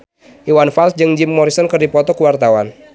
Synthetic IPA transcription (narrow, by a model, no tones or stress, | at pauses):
ʔiwanfalsd͡ʒɨŋd͡ʒimːɔɾisɔnkɨrdipɔt̪ɔkuwart̪awan